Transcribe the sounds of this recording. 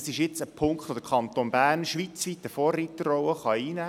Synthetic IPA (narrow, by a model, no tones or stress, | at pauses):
sɪʃjɪt͡səpʰʊŋkχt̪ʋod̥̪əkʰɑnt̪onbæːɾnʃʋit͡sʋit̪ːəfoːrːit̪ːərɔwəχɑiːnæː